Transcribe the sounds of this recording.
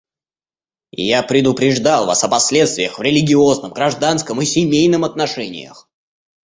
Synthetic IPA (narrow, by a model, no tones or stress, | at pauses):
japɾʲɪd̪ʊpɾʲɪʐd̪alˠva̰sɐpɐsʲlʲe̞t̪st̪vʲɪjəxvɾʲɪlʲɪɡʲɪo̞znəmɡɾɐʐd̪anskəmɨsʲɪmʲejnɨmɐt̪nɐʂɛnʲɪ̰jə̰x